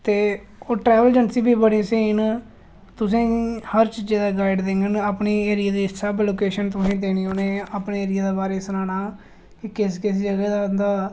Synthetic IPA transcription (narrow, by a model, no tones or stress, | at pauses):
t̪eː | oːʈɾɛːʋəld͡ʒənsĩːbiːbəɽĩːsiːn | t̪ʊsĩːhəɾt͡ʃd͡ʒeːd̪aːɡaːɪɖd̪ẽːŋɡənaːpɳeːeːɾɪjaːd̪iːsəbloːkeːʃənt̪ʊsĩːd̪eːnĩːoːneːaːpɳeːeːɾɪjaːd̪eːbaːɾeːsənaːnaː | kɪkɪs̬kɪseːd͡ʒəɡɛːd̪aːnd̪aː